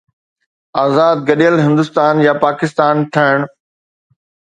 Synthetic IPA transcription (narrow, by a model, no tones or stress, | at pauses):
aːzaːd̪̚ɡɐɗijəlɦɪ̃nd̪ʊst̪aːnjapaːkɪst̪aːnʈʰɐɦɪɽ̃